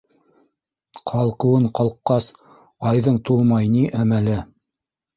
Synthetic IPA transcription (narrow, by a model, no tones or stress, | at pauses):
qʰɑlˠqɤ̆wɤɴqɑlˠqːɑs | ɑjðɤɴt̪ulˠmɑjniʔæmælɘ